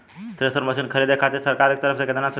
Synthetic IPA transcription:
t̪ɾesəɾməsinkʰəɾed̪ekʰat̪esəɾkaɾek̚t̪əɾəft͡seked̪ənas

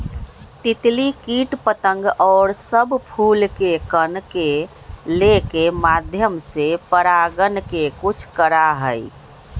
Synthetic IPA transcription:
t̪it̪likiʈpət̪ə̃ŋɡɔːɾsəbpʰulkekənke | lekemad̪ʱjəmsepəɾaɡənkekut͡ʃʰkəɾaɦəj

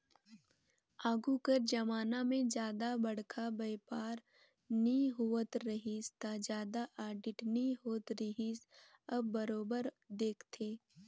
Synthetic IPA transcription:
aːɡukəɾd͡ʒɐmaːnamẽd͡ʒjaːd̪abɐɽkʰabɐjpaːɾ | niɦuːət̪ɾɐɦist̪ad͡ʒjaːd̪aʔaːɾɖɪʈniɦoːt̪ɾəɦisɐbːɐɾoːbəɾ | d̪eːkʰt̪ʰeː

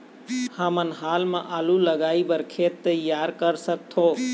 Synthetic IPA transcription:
həmənɦalmẽʔaːluləɡaibəɾkʰet̪ːəjaɾkəɾsək̚t̪ʰo

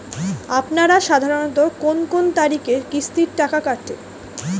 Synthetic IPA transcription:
apnaɾaʃad̪ʱaɾonot̪okonkont̪aɾikekist̪iɾʈakakaʈʰḛ

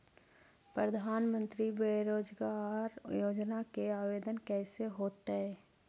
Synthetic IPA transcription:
pɾəd̪ʱaːnmə̃nt̪ɾibeːɾoːd͡ʒɡaɾjoːd͡ʒnakeaːʋeːd̪ənkɛːseɦoːt̪eɦɛː

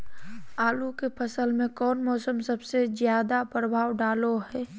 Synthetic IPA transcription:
aːlukepʰəsəlmẽkɔːnmɔːsəmsəbsezjaːd̪apɾəbʱaːwɖaːloɦɛː

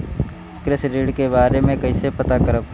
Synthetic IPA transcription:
kɾɪsɾiːɖkebaːɾemẽkəisepət̪akəɾəb

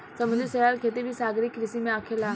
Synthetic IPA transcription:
sɐmə̃niseɾaːlkʰet̪̬ebʱisaːɡɾikɾɪsimẽaːkʰelaː

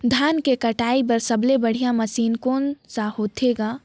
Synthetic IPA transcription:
d̪ʱaːnkekəʈaːipəɾsəblebəɽ̤ijaməsiːnkoːnsahoːt̪ʰeɡaː

